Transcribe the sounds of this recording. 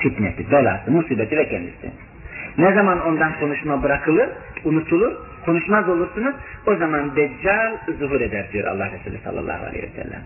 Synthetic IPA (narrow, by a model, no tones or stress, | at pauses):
fit̪nɛt̪ʰibɛlˠa̰ːsɯmusiːbɛt̪ʰivɛcʰɛnd̪ḭsḭ | nɛzamano̞nd̪ankʰo̞nuʃmabɯɾakʰɯlˠɯɾ | unut̪ʰulˠuɾ | kʰo̞nuʃmazo̞lˠuɾsunuzo̞zamand̪ɛd͡ʒalˠzuɦuɾed̪æɾd̪ijo̞ɾʔa̰lˠːɑhɾɛsuːlʲisɑ̰lˠːɑ̰lˠːɑ̰ːhua̰lʲḛj̰vɛ̰sɛ̰lʲːæ̰m